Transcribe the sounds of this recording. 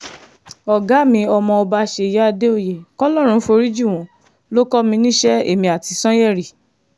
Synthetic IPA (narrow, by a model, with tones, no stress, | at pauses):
ɔ˨ɡa˨˦˨mĩ˧ɔ˧mɔ̃˧ɔ˧ba˧ʃe˧˨i˨ja˦a˧de˦o˧˨je˨kɔ˦lɔ˦˨ɾ̃ũ˧˦fo˧ɾi˦d͡ʒu˦˨w̃ɔ̃˨ | lo˦kɔ˦mĩ˧nĩ˦ʃɛ˦ḛ˦˨mĩ˧a˨ti˨˧sɔ̃˦jɛ˦˨ɾi˨